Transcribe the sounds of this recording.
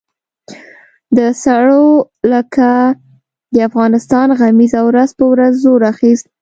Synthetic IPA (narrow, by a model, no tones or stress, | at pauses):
d̪əsaɽo | ləka | d̪əafɣɑnɪst̪ɑnɣamizawɾazpəwɾazːoɾaxist̪̚